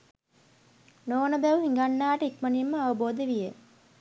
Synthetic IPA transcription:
noːnɐbɛʋuɦiŋɡanːaːʈəikmɐnimːəɐʋɐboːd̪eʋije

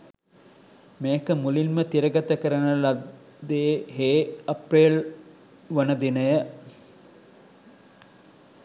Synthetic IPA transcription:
meːkəmulilmət̪iɾəɡɐt̪əkəɾɐnɐlɐ | d̪eːɦeːɐpɾeːl | ʋɐnəd̪inəjə

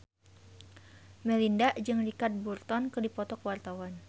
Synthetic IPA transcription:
mɛlindaʔd͡ʒɨŋlikat̪̚burt̪ɔnkɨdipɔt̪ɔkwart̪awan

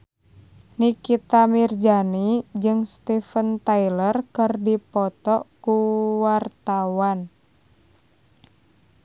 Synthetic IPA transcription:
nikit̪amird͡ʒanid͡ʒɨŋst̪ifənt̪ailərkɨrdipɔt̪ɔkuwart̪awan

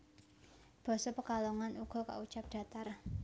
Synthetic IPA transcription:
b̥ɔ̤sɔpəkalɔŋanuɡ̥ɔ̤ka̰ut͡ʃap̚d̥ä̤t̪ar

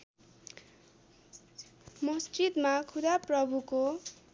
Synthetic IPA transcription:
mʌstit̪makʰud̪aprʌbʱuko

